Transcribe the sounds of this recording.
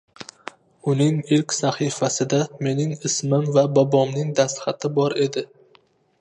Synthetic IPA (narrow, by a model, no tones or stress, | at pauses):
ʊnɪŋɪlkʲsaχifasɪd̪ame̞nɪŋɪsmɪmvabɒbɒmnɪŋd̪ast̪χat̪ʰɪbɒɾe̞d̪ɪ